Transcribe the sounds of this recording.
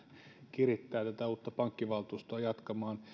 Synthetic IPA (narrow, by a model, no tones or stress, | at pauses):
kirit̪ːæːt̪æt̪æuːt̪ːɑpɑŋkːiʋɑlt̪uːst̪oɑjɑt̪kɑmɑːn